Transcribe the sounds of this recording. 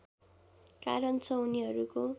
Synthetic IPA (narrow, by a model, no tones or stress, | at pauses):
ka̰ɾʌnt͡sʰʌuniɦʌɾuko